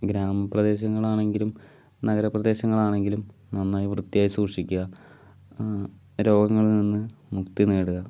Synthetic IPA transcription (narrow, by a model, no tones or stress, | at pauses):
ɡɾaːmɐprɐd̪e̞ːɕ̬ɐŋːɐɭaːɳe̞ŋɡilum | nɐɡɐɾɐprɐd̪e̞ːɕɐŋːɐɭaːɳe̞ŋɡilumnɐnːaːjiʋrɨt̪ːijaːjsuːrʂikʲːuɣɐ | ɾo̞ːɡɐŋːɐɭninːɨmukt̪ineːɽuɣɐ